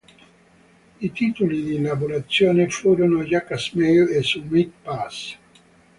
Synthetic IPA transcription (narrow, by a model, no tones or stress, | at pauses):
it̪iːt̪ulid̪ilabuɾat̪sːjoːnefuːɾonojakasmewesumid̪̚pas